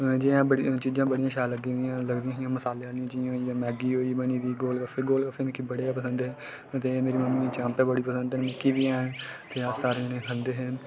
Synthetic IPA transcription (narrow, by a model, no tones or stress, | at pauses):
d͡ʒɪãːbəɽt͡ʃiːd͡ʒãːbəɽijãːʃaːləɡĩd̪ɪjãːləɡd̪ijãːd͡ʒɪjãːməsaːleːnɪjãːd͡ʒɪjãːjãːmɛːɡiːɦoːiːbəɳiːd̪iːɡoːlkəfʰeːɡoːlkəfeːmɪ̃kiːbəɽeaːpəsə̃nd̪eɛ̃ː | t̪eːmeːɾiːməmːiːt͡ʃãːmpẽːbəɽiːpəsə̃nd̪ənmɪ̃kiːbiːɛːɦəɳt̪eːəsaːɾnẽːɦənd̪eːɦɛ̃